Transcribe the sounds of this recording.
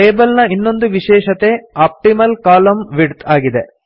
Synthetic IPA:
ʈeːbɐlnɐinːo̞nd̪uʋiʃɛːʃɐt̪e̞aːp̚ʈimɐlkaːlɐmʋiɖt̪aːɡid̪e

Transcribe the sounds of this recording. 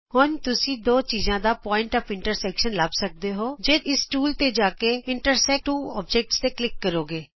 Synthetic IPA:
hʊnt̪ʊsĩːd̪oːt͡ʃiːzãːd̪aːpɔːɪɳʈɔːpɪ̃ɳʈəɾsɛːkʃənləbsək̚d̪eːɦoːd͡ʒeːɪsʈuːlt̪eːd͡ʒaːkeːɪɳʈəɾsɛːk̚ʈuːɔːpd͡ʒɛːk̚ʈst̪eːklɪkːəɾoːɡeː

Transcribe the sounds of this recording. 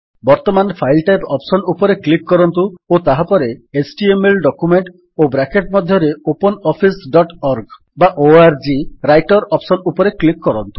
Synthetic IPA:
bɔɾt̪ɔmanpʰajlʈajpɔpsɔnupɔɾeklikkːɔɾɔnt̪uot̪aɦapɔɾeesʈiemelɖɔkumeɳʈ | obɾakeʈmɔd̪ʱjɔɾeopɔnɔpʰisɖɔʈɔɾɡ | baʔoaɾd͡ʒiɾajʈɔɾɔpsɔnupɔɾeklikkːɔɾɔnt̪u̥

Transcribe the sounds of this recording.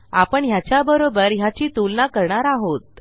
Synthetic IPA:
apəɳɦjat͡ɕjabəɾobəɾɦjat͡ɕiːt̪ulnakəɾɳaɾaɦot̪̚

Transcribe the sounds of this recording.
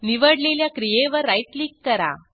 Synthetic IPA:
niʋəɽleljakɾijeʋəɾːajʈliːkːəɾa̰

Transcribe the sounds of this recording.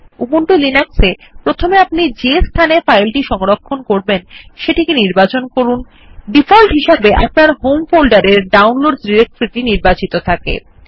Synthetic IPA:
ubuɳʈulinaksepɾot̪ʰomeapnid͡ʑest̪ʰanefajlʈiʃɔŋɾokʰːonkoɾbenʃeʈikiniɾbat͡ɕonkoɾun | ɖifɔlʈɦiʃabeʔa̰pnaɾɦomfolɖaɾeɾɖawnloɖsɖiɾek̚ʈoɾit̪iniɾbat͡ɕit̪ot̪ʰakḛ

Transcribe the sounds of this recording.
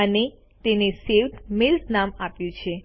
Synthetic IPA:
əne | t̪eneseʋt̪mɪltnamapjũt͡ʃʰe

